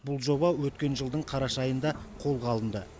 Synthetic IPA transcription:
bʊlˠʒo̞bɑwɵt̪kʲe̞nʒəlˠd̪əɴqʰɑɾɑʃɑjənd̪ɑqʰo̞lˠqʰɑlˠənd̪ə

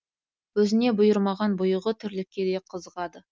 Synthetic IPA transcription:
wɵzɪne̞bʊjəɾmɑʁɑnbʊjəʁət̪ʰʏɾlɪkʲːe̞d̪e̞qʰəzəʁɑd̪ə

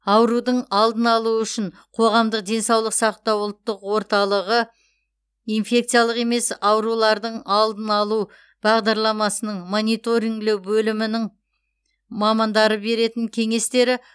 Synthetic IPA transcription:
ɑwɾud̪əɴɑlˠd̪ənɑlˠuʏʃɪɴ | qʰo̞ʁɑmd̪əqd̪e̞nsɑwlˠəqsɑqt̪ɑwʊlˠt̪ːəqwo̞ɾt̪ɑlˠəʁə | infʲe̞k̚t̪sɨjalˠəqe̞me̞sɑwɾulˠɑɾd̪əɴɑlˠd̪ənɑlˠu | b̥ɑʁd̪ɑɾlˠɑmɑsənəɴmo̞nʲijt̪o̞ɾiŋɡlɪwbɵlɪmɪnɪŋ | mɑmɑnd̪ɑɾəbe̞ɾe̞t̪ɪŋkʲʰe̞ŋe̞st̪e̞ɾɪ

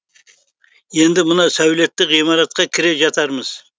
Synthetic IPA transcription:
je̞nd̪ɪmənɑsæwle̞t̪ːɪqimɑɾɑt̪̚qɑkʲʰɪɾeʒɑt̪ɑɾməz̥

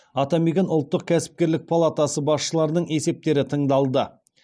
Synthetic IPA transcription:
ɑt̪ɑmiɡʲenʊlˠt̪ːəq̚kʲʰæsɪ̥p̚kʲe̞ɾlɪk̚pʰalˠat̪asəbɑsʃəlˠɑɾənəɴe̞se̞p̚t̪e̞ɾɪt̪ʰəɴd̪ɑlˠd̪ə

